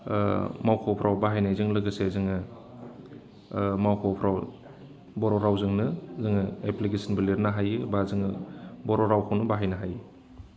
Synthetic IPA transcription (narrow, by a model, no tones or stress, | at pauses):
mawkʰɔwpʰɾʔawbaɦajnajzɯŋlɯɡɯsezɯŋɯ | mawkʰɔpʰɾaw | bɔɾɔɾawzɯŋnɯzɯŋɯeplikesʰinbɯliɾnaɦajɯbazɯŋɯbɔɾɔɾawkʰawnɯbaɦajnaɦajɯ